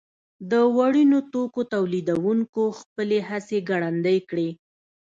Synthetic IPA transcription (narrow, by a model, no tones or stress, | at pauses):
d̪əwaɽinot̪okot̪awlid̪awuŋkoxpəleɦaseɡaɽand̪əjkɽe